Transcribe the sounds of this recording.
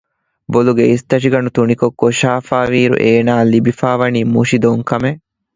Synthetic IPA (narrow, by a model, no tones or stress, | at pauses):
boluɡeist̪ɐʃiɡɐɳut̪unikokːoʃaːfaːʋiːɾṵʔeːnaːlibifaːʋɐniːmuʃid̪oŋkɐme